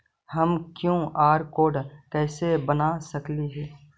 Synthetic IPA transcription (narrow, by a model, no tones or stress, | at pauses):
həmkjõːʔaːɾkoːɖkɛːsebənasəkliɦɛː